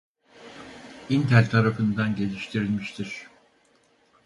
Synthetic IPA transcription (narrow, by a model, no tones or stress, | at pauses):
int̪ʰælʲt̪ʰaɾafɯnd̪anɟe̞lʲiʃt̪ʰiɾilʲmiʃt̪ʰiɾ̥